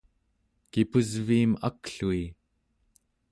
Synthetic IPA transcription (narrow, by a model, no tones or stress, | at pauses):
kipuzviːma̰kɬui